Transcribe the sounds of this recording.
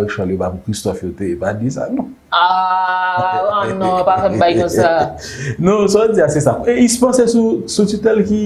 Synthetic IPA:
lʃɔlobapũkʁist̪ɔfjotepadisa̰nɔ̃ | a | anɔ̃pafɛmbajkɔ̃sa | nosɔd͡ziasesakɔeispãsesusutitɛlki

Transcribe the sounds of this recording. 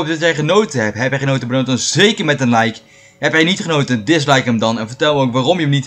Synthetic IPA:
p̚dɑtɛjχənowtəɦɛpɦɛpɛχənowtəbənowtənzejkəɹmɛtənlɛjk | ɦɛpɦɛjnitχənowtəndɪs̬lɛjkəmdɑnɛnvəɹtɛlˠməowkʋaːrɔmjəmnit

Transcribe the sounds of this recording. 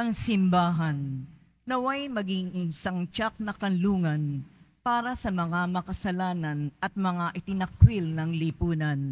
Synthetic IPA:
ʔɐŋsɪmbaːɦɐnː | ɐwɐjmɐɡɪŋʔɪnsaŋt͡ʃak̚nɐkɐnluːŋɐnpaːɾɐsɐmɐŋamɐkɐsɐlaːnɐnʔɐt̪̚mɐŋaʔɪt̪ɪnɐk̚wilnɐŋlipuːnɐn

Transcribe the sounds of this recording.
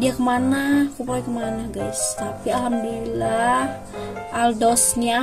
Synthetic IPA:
diakəmanahkupoɛkəmanahɡajst̪apialɦamduilah | ʔaldɔsna

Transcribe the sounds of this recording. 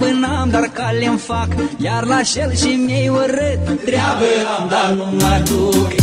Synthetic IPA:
bɨnamd̪arkalʲenfakjaɾlaʃelʃimejwəɾɨt̪d̪ɾʲabəamd̪anumad̪uk

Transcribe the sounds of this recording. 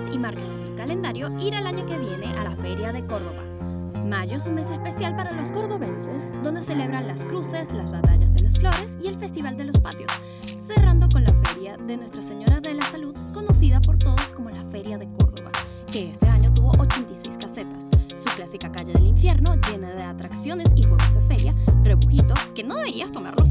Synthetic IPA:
imaɾkasenelkalend̪aɾjo̞iɾalaɲo̞ke̞βje̞ne̞ʔalafe̞ɾjaðe̞ko̞ɾðo̞βa̰ | maʝoesunme̞sespe̞sjalpaɾalo̞sko̞ɾðo̞βe̞nse̞sd̪o̞nd̪e̞se̞le̞β̞ɾanlaskɾuse̞slazβat̪a̰ʝa̰zðelasflo̞ɾe̞sie̞lfe̞st̪iβ̞ald̪e̞lo̞spat̪jo̞̰sː | e̞rand̪o̞ko̞nlafe̞ɾjaðe̞nwe̞st̪ɾase̞ɲo̞ɾaðe̞lasaluðko̞no̞siðapo̞ɾt̪o̞ðosko̞mo̞lafe̞ɾjaðe̞ko̞̰ɾðo̞̰βa̰ | keest̪e̞aɲo̞t̪uβo̞̰ʔot͡ʃe̞nt̪ajse̞jskase̞t̪ḁsː | uklasikakaʝeðeliɱfje̞ɾno̞ʝe̞naðe̞at̪ɾaksjo̞ne̞sifwoɣesðefe̞ɾjareβuxit̪o̞ke̞no̞ðe̞βeɾiast̪o̞ma̰ɾlos

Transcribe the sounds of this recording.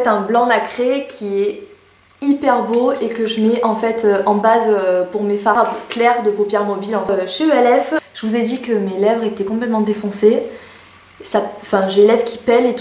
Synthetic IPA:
fɛt̪ɛ̃blɑ̃nakχekʲʰiɛ | ipɛʁboekəʒəmɛʔɑ̃fɛt̪ʰøɑ̃bazøpuʁmefaʁapklɛʁd̪əpopjɛʁmɔbilɑ̃ʃeøɛlɛfʒ̥əvuzɛd̪ikəmelɛvʁet̪ɛkɔ̃plɛt̪mɑ̃d̪efɔ̃se | saɑ̃fɛ̃ʒelɛvkʲʰi̥pɛlet̪

